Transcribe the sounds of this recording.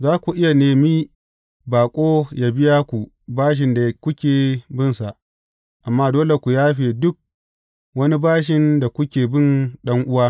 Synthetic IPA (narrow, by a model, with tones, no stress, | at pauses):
zaː˦kʷu˨ʔɪ˦ja˨neː˨mi˦ | baː˨kʷʼoː˦ja˨bɪ˦jaː˦kʷu˨ | baː˦ʃ̬ɪ˨nda˨kʷʊ˦kʲeː˨bɪ˦nsa˨ʔ | ʔa˨mːaː˦doː˦le˨kʷu˨jaː˦ɸeː˨dʊ˦k̚ | wɐ˦ni˦baː˦ʃ̬ɪ˨nda˨kʷʊ˦kʲeː˨bɪ˦˨nɗɐ˦ŋʔʊ˦waː˦